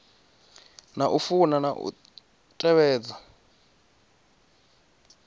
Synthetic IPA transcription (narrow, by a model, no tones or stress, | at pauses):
naʔufunanaʔṵ | tʼɛβɛːd͡za